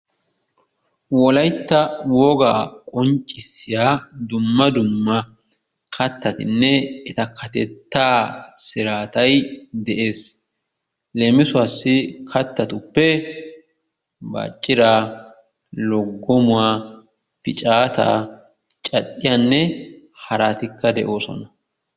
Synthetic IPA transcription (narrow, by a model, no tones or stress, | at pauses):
wɔlɐjt̪ːɐwɔːɡa̰ːkʼɔnt͡ʃʼːɪsːɪjaːd̪ʊmːɐd̪ʊmːɐ | kʰɐt̪ːɐt̪ɪ̰nːɛɛt̪ɐkʰɐt̪ɛt̪ːaːsɪɾaːt̪ɐjd̪ɛʔeːs | lɛmɪsʊaːsːɪkʰɐt̪ːɐt̪ʊpːɛ | ba̰ːt͡ʃʼːɪɾaː | lɔɡːɔmʊwaː | pɪt͡ʃʼaːt̪a̰ː | t͡ʃʼɐɗːɪjaːnːɛ | hɐɾaːt̪ɪkːɐd̪ɛ̰ʔo̞ːsɔ̰nɐ